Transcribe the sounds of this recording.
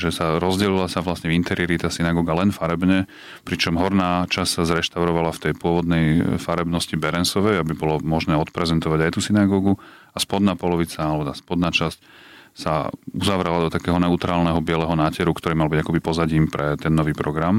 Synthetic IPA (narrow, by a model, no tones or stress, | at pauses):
ʒɛsaɾɔzɟɛlilasaʋlasɲɛint̪ɛɾiɛɾit̪asinaɡɔːɡalɛnfaɾɛbɲɛ | pɾit͡ʃɔmɦɔɾnaːt͡ʃassazɾɛʃt̪aʊɾɔʋalaft̪ɛjpʊɔʋɔd̪nɛjfaɾɛbnɔscibɛɾɛnsɔʋɛjabibɔlɔmɔʒnɛːɔt̪pɾɛzɛnt̪ɔʋaɟajt̪uːsinaɡɔːɡu | aspɔd̪naːpɔlɔʋit͡saalɛbɔt̪a̰ːspɔd̪naːt͡ʃasc | sa̰uzaʋɾɛlad̪ɔt̪akɛːɦɔnɛut̪ɾaːlnɛɦɔbɪɛlɛɦɔnaːcɛɾukt̪ɔɾiːmalbiɟakɔbipɔzaɟiːmpɾɛt̪ɛnːɔʋiːpɾɔɡɾam